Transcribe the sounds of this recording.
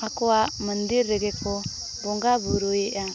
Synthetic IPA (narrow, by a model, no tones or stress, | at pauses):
akoaməndiɾːeɡeko | boŋɡabuɾueʔa